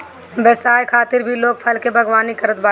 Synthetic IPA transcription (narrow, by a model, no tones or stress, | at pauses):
bɛsaːjkʰaːt̪ɪɾbʱiloːɡ̚pʰɐlkebʱɐɡʋaːnikɐɾət̪baː